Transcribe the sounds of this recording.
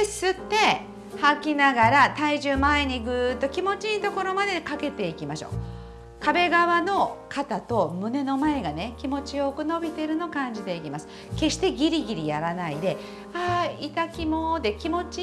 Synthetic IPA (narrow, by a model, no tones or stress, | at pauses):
sɨt̪ːe̞ | hakʲinaɡaɾat̪aiʑɨːmaeɲ̟iɡɯ̟t̪ːo̞kʲimo̞t͡ɕiɲit̪o̞ko̞ɾo̞mad̪ekake̞t̪e̞ikʲimaɕo̰ː | kabe̞ɡaβano̞kat̪at̪o̞mɯ̟ne̞no̞mae̞ɡane̞kʲimo̞t͡ɕijo̞kɯ̟no̞bʲit̪e̞ɾɯ̟no̞kãɲ̟d͡ʑid̪e̞ikʲimasɨ̥ke̞ɕi̥t̪e̞ɡʲiɾʲiɡʲiɾʲijaɾanaid̪e̞ | ait̪akʲimo̞d̪e̞kʲimo̞t͡ɕi